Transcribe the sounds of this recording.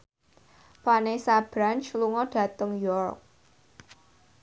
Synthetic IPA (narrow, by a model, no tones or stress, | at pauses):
fanesab̥ɾant͡ʃluŋɔɖ̥ä̤t̪əŋjɔrk̚